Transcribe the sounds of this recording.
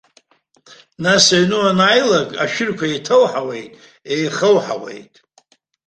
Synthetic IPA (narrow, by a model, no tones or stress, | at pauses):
nasaɥnɨwanajlakʼa̰ʃᶣɪrkʷʰaetʰəwħawe̞jtʼ | ejχəwħa̰we̞̰jtʼ